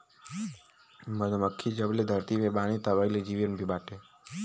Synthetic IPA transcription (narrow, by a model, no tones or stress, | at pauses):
məd̪əməkʰːid͡ʒəbled̪ʱəɾt̪iʋebaɽ̃it̪əʋailed͡ʒiʋiənbʱibaʈe